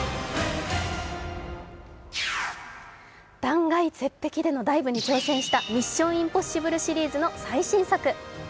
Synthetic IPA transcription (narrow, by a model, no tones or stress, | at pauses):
d̪̥ãŋɡait͡se̞p̪ːe̞kʲid̪e̞no̞d̪aibɯ̟ɲ̟it͡ɕo̞ːsẽ̞ɰ̃ɕi̥t̪amʲiɕːõ̞ɰ̃ĩmpo̞ɕibɯ̟ɾɯ̟ɕiɾʲiːzɨno̞saiɕĩɰ̃sakɯ̟